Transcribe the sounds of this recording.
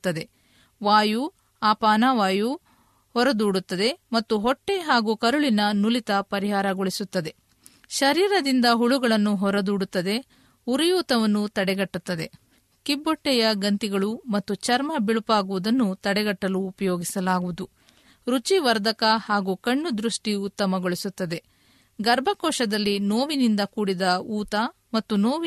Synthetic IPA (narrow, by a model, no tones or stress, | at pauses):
t̪ːɐd̪e̞ | ʋaːju | aːpaːnaːʋaːju | hɔɾɐd̪uːɽut̪ːɐd̪e̞mɐt̪ːuɦɔʈːeɦaːɡuːkɐɾuɭinɐnulit̪ɐpɐɾiɦaːɾɐɡɔɭisut̪ːɐd̪e̞ | ʃɐɾiːɾɐd̪ind̪ɐɦuɭuɡɐɭɐnːuɦɔɾɐd̪uːɽut̪ːɐd̪e̞ | uɾijuːt̪ɐʋɐnːut̪ɐɽɛɡɐʈːut̪ːɐd̪e̞ | kibːɔʈːɛjɐɡɐnt̪iɡɐɭumɐt̪ːut͡ʃɐɾmɐbiɭupaːɡuʋud̪ɐnːut̪ɐɽɛɡɐʈːɐluːpɐjoːɡisɐlaːɡuʋud̪u | ɾut͡ʃiʋɐɾd̪ʱɐkɐhaːɡuːkɐɳːud̪ɾuʂʈiut̪ːɐmɐɡoɭisut̪ːɐd̪e̞ | ɡɐɾbʱɐkɔːʃɐd̪ɐlːinoːʋinind̪ɐkuːɽid̪ɐuːt̪ɐ | mɐt̪ːunoːʋ